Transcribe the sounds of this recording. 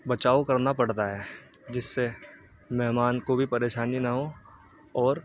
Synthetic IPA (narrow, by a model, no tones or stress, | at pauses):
bɐt͡ʃaːokɐɾnapɐɽt̪aɦɛː | d͡ʒɪsːe | mɛɦmaːnkobʱipɐɾeːʃaːninaɦõː | ɔːɾ